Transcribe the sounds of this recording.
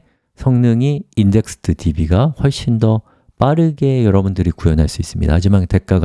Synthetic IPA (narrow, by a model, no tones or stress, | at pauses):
sʰʌŋnɯŋiːnde̞k̚sʰɯ̥tʰɯtibiɡaɸwʌɭɕ͈indʌ | p͈aɾɯɡe̞jʌɾʌbundɯɾikujʌnɦaɭs͈uis͈ɯmɲḭda̰ad͡ʑimante̞k̚k͈aɡ